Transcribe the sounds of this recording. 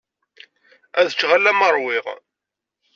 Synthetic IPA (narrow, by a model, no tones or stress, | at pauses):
æðət͡ʃːʁalːæməɾˤwɪʁ